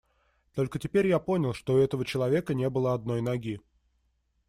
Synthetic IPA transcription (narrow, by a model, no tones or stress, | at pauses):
t̪o̞lʲkətʲɪpʲeɾʲjapo̞nʲɪlˠʂt̪oɛt̪əvət͡ɕɪlˠɐvʲe̞kənʲe̞bɨlˠəɐd̪̚no̞jnɐɡʲi